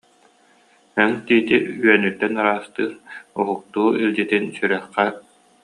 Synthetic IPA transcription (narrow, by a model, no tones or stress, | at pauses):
ɛŋt̪iːt̪iyɛnyt̪ːɛnaɾaːst̪ɯːɾɔɦuk̚t̪uːilʲd͡ʑit̪insyɾœχqɛ